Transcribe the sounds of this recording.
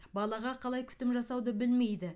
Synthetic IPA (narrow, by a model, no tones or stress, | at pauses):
bɑlˠɑʁɑqʰɑlˠɑjkʲʰʏ̥t̪ɪmʒɑsɑwd̪əbɪlme̞jd̪ɪ